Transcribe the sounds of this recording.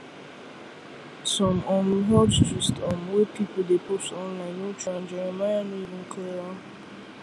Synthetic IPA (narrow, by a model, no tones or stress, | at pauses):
sɔ̃mɔmɦɔtt͡ʃistɔmwepipodepostɔ̃nlãɪ̃nːut͡ʃãnd͡ʒɛɾɛmajanoivin̩kʰeɾa